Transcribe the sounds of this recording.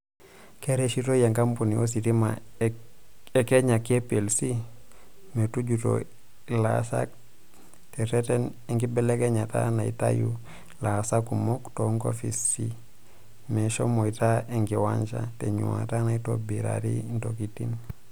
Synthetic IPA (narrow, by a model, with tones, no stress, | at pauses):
ke˦ɾe˦ʃi˦to˦je˨ŋka˦mpu˨ni˨o˦s̬i˨ti˦ma̰˨ | ɛke˦ɲa˨ki˦e˦pe˨lsi˦ | me˨tu˦d͡ʒu˨to̰˨ | la̰sa̰˦k̚ | tɛ˨tɛ˦tɛ˦n | ɛ˦ŋɡi˦bɛ˦le˦kɛ˦ɲa˨ta̰˦na˨i˨ta̰ju | la˨sa˦ku˨mo˦ktoŋɡo̰˦fi˨si | mɛ˨ʃo˦mo˨i˨ta˦ɛ˨ŋɡiwa̰˦nt͡ʃa̰˦te˨ɲṵ˨a̰˨ta˦na˨i˦to˦bi˨ɾa̰˨ɾi˦nto˨ki˦tḭ˦n